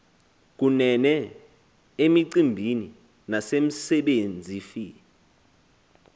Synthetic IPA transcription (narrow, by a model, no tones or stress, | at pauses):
k̬unɛnɛ | emiǀimbʱini | nasem̩sɛɓend͡zʱiːfi